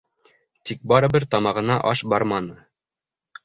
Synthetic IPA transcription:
t̪ʰik̚bɑɾɤ̆bɘɾt̪ɑmɑʁɤ̆nɑʔɑʃbɑɾmɑnɤ

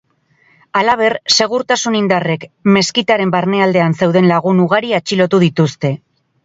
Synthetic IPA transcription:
alaβ̞e̞ɾse̞ɣ̞uɾt̪asunind̪are̞kme̞skit̪aɾe̞mbaɾne̞ald̪e̞anse̞wðe̞nlaɣ̞unuɣ̞aɾiat͡ʃilo̞t̪uðit̪ust̪e̞

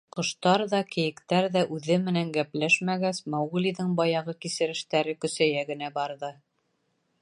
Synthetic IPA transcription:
qɤ̆ʃt̪ɑɾðɑkɘ̆jɘ̆kt̪æɾðæʔʉðɘmɘ̆næŋɡæplæʃmæɡæsmæwʁɘ̆liðɤɴbɑjɑʁɤkisɘ̆ɾɘ̆ʃt̪æɾɘkɵ̆sæjæɡɘ̆næbɑɾðɤ

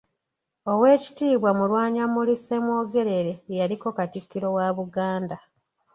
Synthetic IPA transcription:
o̞we̞ːci̥tiːβwamulwaːɲamulisemwo̞ːɡe̞ɾe̞ɾe̞jaliko̞katikːiɾo̞waːβuɡaːnda

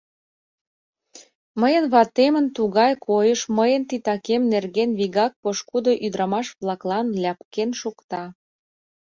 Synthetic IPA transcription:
məjə̆nβɑt̪emə̆nt̪uɣɑjkʰojəʃməjənt̪it̪ɑkemnerɣenβiɣɑk̚poʃkud̪oʔyd̪ɾɑmɑʃβlɑklɑnlʲæpkenʃukt̪ɑ

